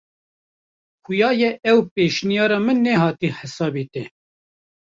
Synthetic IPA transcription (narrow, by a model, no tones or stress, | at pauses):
xʊjɑːjɛɛwpeːʃnijɑːɾɑːmɨnːɛhɑːt̪iħəsɑːbit̪ɛ